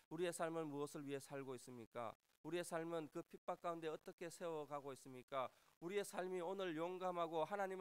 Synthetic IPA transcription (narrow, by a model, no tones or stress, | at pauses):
uɾie̞sʰaɭmɯnmuʌsʰɯɭɥiɦe̞sʰaɭɡois͈ɯmɲik͈a̰ | uɾie̞sʰaɭmɯnkɯpʰip͈ak͈aunde̞ʌt͈ʌkʰe̞sʰe̞wʌɡaɡois͈ɯmɲik͈auɾie̞sʰaɭmionɯɭjoŋɡamɦaɡohanaɲim